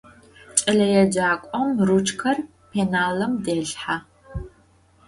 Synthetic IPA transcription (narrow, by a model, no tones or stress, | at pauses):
t͡ʃʼɐɮɐjɛd͡ʒaːkʷʼɔmrut͡ʃʰʼkʰɐr | pʰeːnaːlɐmdeːɮħa